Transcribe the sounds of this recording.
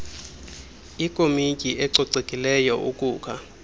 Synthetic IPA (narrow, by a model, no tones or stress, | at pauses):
ikʼomicʼiʔɛǀɔǀekʼilɛjɔʔukʼuːkʰa